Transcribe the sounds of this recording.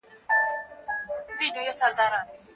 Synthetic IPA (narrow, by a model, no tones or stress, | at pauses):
bidojesald̪aɾa